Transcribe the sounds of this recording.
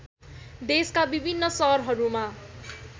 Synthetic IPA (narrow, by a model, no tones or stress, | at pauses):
d̪eskabibʱinːʌsʌɦrɦʌɾuma